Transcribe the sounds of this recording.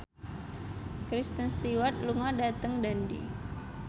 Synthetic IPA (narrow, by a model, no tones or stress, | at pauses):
kɾist̪ənst̪iwat̪̚luŋɔdat̪əŋdandḭ